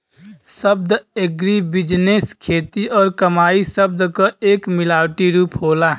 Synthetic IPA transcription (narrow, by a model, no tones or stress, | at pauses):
səb̚d̪ʱeɡɾibɪd͡ʒneːskʰeːt̪iʔɔːɾkəmaːisəb̚d̪kaeːkmɪlaːwʈiɾuːpɦoːlaː